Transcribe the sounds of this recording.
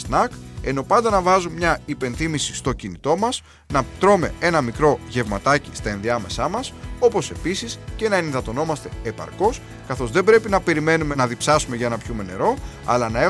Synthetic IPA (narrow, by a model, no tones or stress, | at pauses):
snɐke̞no̞pɐnd̪ɐnɐvɐzummɲɐipe̞nθimisi̥st̪o̞cinit̪o̞mɐs | nɐt̪ɾo̞me̞e̞nɐmikɾo̞ʝe̞vmɐt̪ɐcist̪ɐenðiɐme̞sɐmɐso̞po̞se̞pisisce̞nɐeniðɐt̪o̞no̞mɐst̪e̞ːpɐ̰ɾko̞s | kɐθo̞zðe̞bɾe̞pinɐpe̞ɾime̞nume̞nɐðipsɐsume̞ʝɐe̞nɐpçume̞ne̞̰ɾo̞ | ɐ̰lɐnɐe